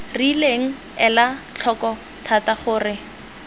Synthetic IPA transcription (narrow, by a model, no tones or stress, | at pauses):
rileŋ̩ | ɛlat͡ɬʰɔkɔ | tʰataχʊːrɪ